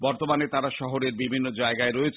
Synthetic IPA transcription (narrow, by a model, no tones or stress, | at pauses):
bɔɾt̪omanet̪aɾaʃɔɦoɾeɾbibʱinːod͡ʑaeɡaeɾoet͡ɕʰ